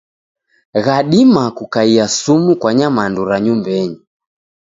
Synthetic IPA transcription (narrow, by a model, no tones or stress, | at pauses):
ɣaɗimakukaiasumukwaɲamanduɾaɲumbɛɲi